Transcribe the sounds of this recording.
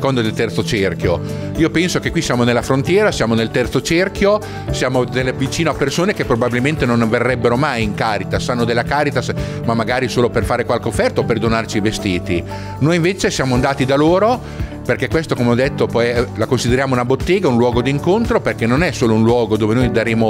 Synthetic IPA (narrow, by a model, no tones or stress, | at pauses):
kond̪ad̪elt̪ɛrt̪sot͡ʃerkjo | iːopɛnsokekwisjaːmonelːafɾont̪jɛːɾasjaːmonelt̪ɛrt̪sot͡ʃerkjo | sjaːmod̪elːvit͡ʃiːnoapːersoːnekepːɾobabilment̪enõnverːɛbːeɾomajiŋkaːɾit̪asːanːod̪elːakaːɾit̪as | mamːaɡaːɾisoːloperfaːɾekwalkeofːɛrt̪aoperd̪onart͡ʃivest̪iːt̪i | noːjiɱveːt͡ʃesjaːmoand̪aːt̪id̪aloːɾo | perkɛkːwest̪okomeɔd̪et̪ːopɔlakonsid̪eɾjaːmounabot̪ːeːɡaunlwɔːɡod̪iŋkont̪ɾoperkɛnːonɛsoːlounlwɔːɡod̪oːvenojd̪aɾeːmo